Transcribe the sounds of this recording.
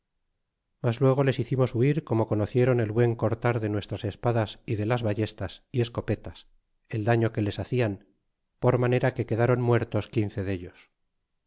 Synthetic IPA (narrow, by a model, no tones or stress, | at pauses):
mazlwe̞ɣ̞o̞le̞siθimo̞suiɾko̞mo̞ko̞noθje̞ɾo̞ne̞lβwe̞ŋko̞ɾt̪aɾðe̞nwe̞st̪ɾase̞spaðasiðe̞lazβaʝe̞st̪asie̞sko̞pe̞t̪as | e̞ld̪aɲo̞ke̞le̞saθian | po̞ɾmane̞ɾake̞ke̞ðaɾo̞nmwe̞ɾt̪o̞skinθe̞ðe̞ʎos